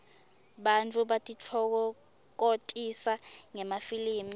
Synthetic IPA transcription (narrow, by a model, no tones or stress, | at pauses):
ɓant͡fʰʼuɓatʼit͡fʰɔk̬ɔ | k̬otʼisaŋɛmafiliːmi